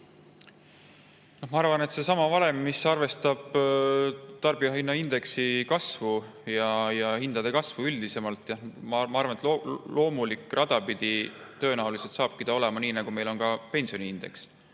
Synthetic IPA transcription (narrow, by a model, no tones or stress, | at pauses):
no̞hmɑɑrvɑne̞t̪se̞sɑmɑvɑle̞mːisɑrve̞st̪ɑb̥ | t̪ɑrb̥iɑɦinːɑind̪̥e̞ksikɑsvu | jɑjɑhind̪̥ɑd̪e̞kɑsvuyld̪̥ise̞mɑlt̪ːˑjɑmɑmɑɑrvɑnet̪lolo̞ːmulikːˑrʔɑd̪̥ɑpid̪̥i | t̪ø̞ːnæwlise̞lt̪sɑːb̥̚kid̪̥ɑo̞le̞mɑniːnæɡ̥ume̞jlo̞nkɑpe̞nsio̞niind̪̥e̞̰ks